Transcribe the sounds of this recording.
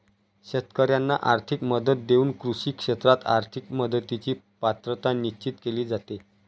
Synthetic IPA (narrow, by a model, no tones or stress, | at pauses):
ɕət̪kəɾjanːa̰ʔaɾt̪ʰikməd̪ət̪̚d̪euːnkɾuɕiːkʂet̪ɾat̪a̰ɾt̪ʰikməd̪ət̪it͡ɕiː | pat̪ɾət̪aniɕt͡ɕit̪keliːd͡zat̪e